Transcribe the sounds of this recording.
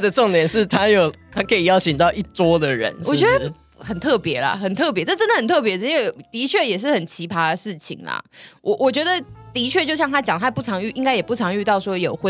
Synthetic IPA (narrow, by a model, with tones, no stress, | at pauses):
d̪ə˨ʈ͡ʂɑ˥˩ŋt̪jɛ˨˦nʂɻ̩˥˩t̪ʰa˦˥jo˨˩ʊt̪ʰa˥kʰə˧˥i˨jɑ˥ʊt͡ɕʰi˨ŋt̪ɑ˥˧ʊʔi˥˩t͡swɔ˥d̪ə˨ɻə̰˧˦nwɔ˨˩t͡ɕɛ˧˥d̪ə | xə˨˩nt̪ʰɤ˥˩pjɛ˧˥lɐ̰˨xə˨˩nt̪ʰɤ˥˩p̬jɛ˧˦˥ʈ͡ʂə˥˩ʈ͡ʂə˥nd̪ə˨˩ə˨˩nt̪ʰɤ˥˩pjɛ˧˥ʂ̩˥˧i˥˦ŋwe˥˩ɪt̪i˧˥t͡ɕʰɥɛ˥˩jɛ˨˩ʂ̬ɻ̩˥˩xə˨˩nt͡ɕʰi˧˥pʰa˥də˨ʂɻ̩˥˩t͡ɕʰḭ˨˩ŋlɐ̰˩wʔɔ˨˩ʔwʔɔ˨˩t͡ɕɥɛ˧˥d̪ə˨t̪i˧˥t͡ɕʰɥɛ˥˧t͡ɕjo˥˧ʊɕjɑ˥˩ŋt̪ʰa˥t͡ɕjɑ˨˩ŋt̪ʰa˥˧pu˥˩t͡sʰɑ˧˥ŋy˥˩ʔi˥ŋka˥ɪjɛ˨˩pu˥˩ɑ˧˥ŋy˥˧t̪ɑ˥˩ʊʂwɔ˥jo˨˩ʊxwe˥